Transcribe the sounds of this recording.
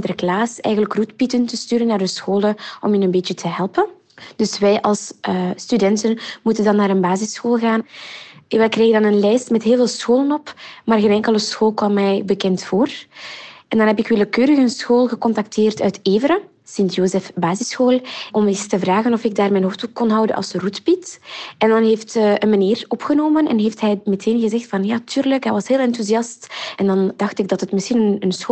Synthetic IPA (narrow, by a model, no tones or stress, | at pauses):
dɾəklaːsɛ̰jɣənləkrutpitəntəstyːɾənːaːrdəsxoːləɔ̰minənbeːtjətʰəɦɛlˠpən | d̥ɵsʋɛjʔɑlˠsstydɛntənmutəndɑnːaːɾənbaːzɪsxoːlˠɣaːn | ʋɛjkrɛːɣədɑnənlɛjstmɛtɦeːlˠveːlˠsxoːlənɔpmaːrɣeːnɛŋkələsxoːlˠkwɑmːɛjbəkɛntfoːr | ʔɛndɑnɦɛpɪkʋɪləkøːɾəxənsxoːlˠɣəkɔntak̚tʰeːrtœɥteːvəɾə | sɪntjoːzɛfbaːzɪsxoːlˠɔmistəvraːɣənɔfɪɡ̚daːrmɛjnɦoːftukɔnɦɑwdə̰nɑ̰lˠsrutbitʔɛndɑnɦeːftʔənmaniːrɔpxənoːmənɛ̰nɦeːftɦɛjmɛtʰeːnɣəzɛxtfɑnjaːtʰyːrləkɦɛjʋɑsɦeːlˠɛntuziɑstɛndɑndɑxtɪɡ̚dɑtətmɪsxinənənsx